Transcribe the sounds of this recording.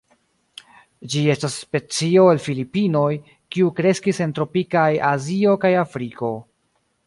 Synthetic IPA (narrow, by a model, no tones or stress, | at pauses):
d͡ʒie̞stasːpe̞t͡sio̞elfilipino̞j | kiukɾe̞skise̞ntɾo̞pikajazio̞kajafɾiko̞